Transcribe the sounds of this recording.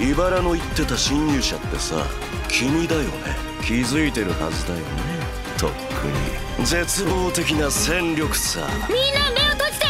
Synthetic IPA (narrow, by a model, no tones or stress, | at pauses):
ibaɾano̞it̪ːe̞t̪aɕĩɲːɨːɕa̰t̪ːe̞sa̰ | kʲʰimʲid̪ajo̞̰ne̞̰ | kʲizɨit̪e̞ɾɯ̟ha̰zɨd̪ajo̞̰ne | t̪ʰo̞̰kʰɯ̰ɲ̟ḭ | d͡ze̞t͡sɨbo̞ːt̪e̞kʲinasẽ̞nɾʲo̞kɯ̟̥sa̰mʲinːameot̪ot͡ɕt̪e